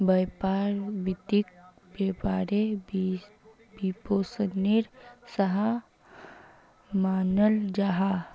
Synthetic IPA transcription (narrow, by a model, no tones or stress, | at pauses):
bɐjpaːɾʋit̪ik̚ | bepaːɾeb | bipoːsənːiɾsɐɦa | maːnəld͡ʒaɦa